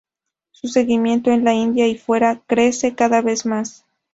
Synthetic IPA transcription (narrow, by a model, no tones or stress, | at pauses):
suse̞ɣimje̞nt̪oenlaind̪jaifwe̞ɾakɾe̞se̞kaðaβe̞smas